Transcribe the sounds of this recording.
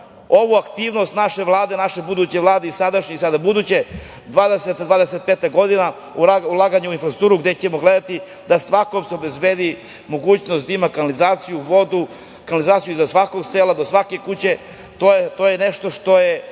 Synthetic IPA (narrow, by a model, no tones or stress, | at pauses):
o̞ʋuakt̪iːʋno̞st̪naʃe̞vlˠaːd̪e̞naʃe̞bud̪ut͡ɕeʋlˠaːd̪eisad̪aʃɲisad̪abud̪uːt͡ɕe | d̪ʋaːd̪eset̪d̪ʋaːd̪eset̪̚peːt̪aɡo̞d̪ina | uaulˠaɡaɲeuinfɾast̪uːɾuɡd̪et͡ɕemo̞ɡled̪at̪i | d̪asʋakomseobe̞zbeːd̪i | mo̞ɡuːt͡ɕno̞st̪aimakanalizaːt̪sijuʋo̞d̪u | kanalizaːt̪sijuizasʋako̞ɡseːlad̪o̞sʋake̞kut͡ɕe̞ | t̪ot̪ojeneʃt̪o̞ʂt̪o̞je